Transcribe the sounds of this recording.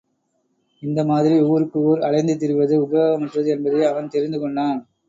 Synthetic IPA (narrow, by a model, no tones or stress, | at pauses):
ɪnd̪ɐmaːðɪɾiuːɾɯkːɯuːɾɐlɐɪnd̪ɯt̪̬ɪɾɯʋɐðɯʊbɐɣɐmɐʈrɐðɯɛnbɐðɯɪɐʋɐnt̪ɛɾɪnd̪ɯkɔɳɖaːn